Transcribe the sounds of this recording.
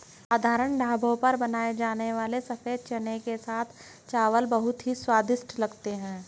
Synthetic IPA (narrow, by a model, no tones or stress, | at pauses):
aːd̪ʱaːɾəɳɖʱaːbʱõpɐɾbɐnaːed͡ʒaːneʋaːlesɐfeːd̪̚t͡ʃɐnekesaːt̪ʰ | t͡ʃaːʋəlbɐɦʊt̪ɦiswaːd̪ɪʃʈlɐɡt̪eɦɛ̃ː